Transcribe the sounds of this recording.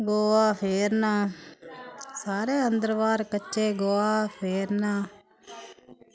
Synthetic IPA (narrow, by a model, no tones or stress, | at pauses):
ɡoːʋaːpʰeːɾnaː | saːɾeːɐnd̪ɾʋaːɾkɐt͡ʃːeːɡoːʋaːpʰeːɾnaː